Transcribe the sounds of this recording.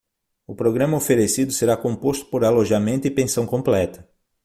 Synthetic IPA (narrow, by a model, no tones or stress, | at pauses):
ʊpɾoɡɾɐ̃mɐofeɾesid̪ʊseɾakõmpost̪ʊ̥poɾaloʒamẽnt̪ʊɪpẽsɐ̃w̃kõmplɛt̪ɐ̥